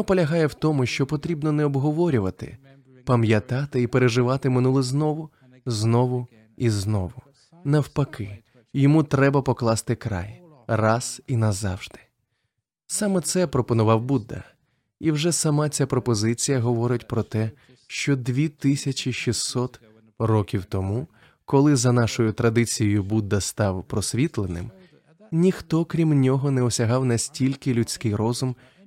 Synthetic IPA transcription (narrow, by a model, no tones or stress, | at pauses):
nɔpɔlʲɐɦɑjɛwt̪ɔmʊʃt͡ʃɔpɔt̪ɾʲibnɔnɛɔbɦɔʋɔɾʲʊʋɐt̪ɪ̰ | pɐmjɐt̪ɑt̪ɪipeɾeʒɪʋɑt̪ɪmɪnulˠɪznɔʋʊ | znɔʋʊ | iznɔ̰ʋʊ | nɐwpɐkɪ | jɔmut̪ɾɛbɐpɔklˠɑst̪ɪkɾɑ̰j | rɑz̥inɐzɑ̰wʒd̪ɪ̥ | sɑmɛt̪sɛpɾɔpɔnʊʋɑwbud̪ɐ̰ | iwʒɛsɐmɑt͡sʲapɾɔpɔzɪt͡sʲijɐɦɔʋɔɾɪtʲpɾɔt̪ɛ | ʃt͡ʃɔd̪ʋʲit̪ɪsʲɐt͡ʃʲiʃisːɔt̪ | rɔkʲiwt̪ɔmu | kɔlˠɪzɐnɑʃɔjʊt̪ɾɐd̪ɪt͡sʲijɔjʊbud̪ːɐst̪ɑwpɾɔsʲʋʲit̪lˠenɪ̰m | nʲixt̪ɔkɾʲimnʲɔɦɔnɛɔsʲɐɦɑwnɐsʲtʲilʲkɪlʲʉt͡sʲkɪjɾɔzʊm